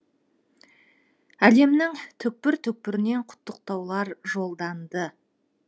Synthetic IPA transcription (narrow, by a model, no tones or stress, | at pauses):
æle̞mnɪŋt̪ʰʏk̚pɪɾt̪ʰʏk̚pɪɾɪne̞ɴqʰʊ̥t̪ːəq̚t̪ɑwlˠɑɾʒo̞lˠd̪ɑnd̪ə